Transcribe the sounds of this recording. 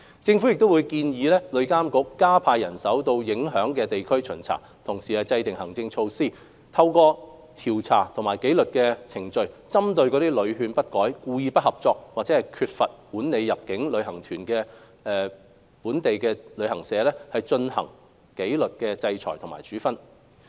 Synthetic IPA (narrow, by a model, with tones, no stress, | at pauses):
t͡sɪ˧ŋfu˨˥jɪ˨k̚t̪o˥wu˨˧jkiː˧njiː˨˧lɛː˥lɵ˨˧ɥkaː˥mkʊ˨˥k̚ːaː˥pʰaː˧jɐ˨˩nsɐ˨˥wt̪o˧wjɪ˨˥ŋɦœː˨˥ŋkɛː˧t̪e˨jkʰɵ˥ɥt͡ʃʰɵ˨˩nt͡sʰa̰ː˨˩ | t̪ʰʊ˨˩ŋsiː˨˩ɐ˨t͡sɐ˧jt̪ɪ˨ŋhɐ˨˩ŋt͡sɪ˧ŋt͡ʃʰo˧wsiː˥˩ | t̪ʰɐ˧wkɔː˧ | t̪ʰiː˨˩wt͡sʰa̰ː˨˩t̪ʰʊ˨˩maː˨˩jke˨˥jlɵ˨t̚kɛː˧t͡sʰɪ˨˩ŋt͡ʃɵ˧ɥt͡sɐ˥mt̪ɵ˧ɥkɔː˨˥ɾiː˥lɵ˨˧ɥɦyː˨˧npɐ˥t̚kɔː˨˥jkuː˧jiː˧pɐ˥t̚hɐ˨p̚t͡sɔː˧k̚waː˨k̚t͡sɛ˨˥hɐ˨jkʰyː˧t̚fɐ˨t̚puː˨˥nne˨˧jjɐ˨p̚kɪ˨˥ŋlɵ˨˧ɥhɐ˨˩ŋt̪ʰyː˨˩nkɛː˧ | ɛː˨ | puː˨˥nt̪e˨jkɛː˧lɵ˨˧ɥhɐ˨˩ŋsɛː˨˧lɛː˥hɐ˨jt͡ʃɵ˧nhɐ̰˨˩ŋ | ke˨˥jlɵ˨t̚kɛː˧t͡sɐ˧jt͡ʃʰɔ̰ː˨˩tʰʊ˨˩maː˨˩jt͡ʃyː˨˥fɐ˥n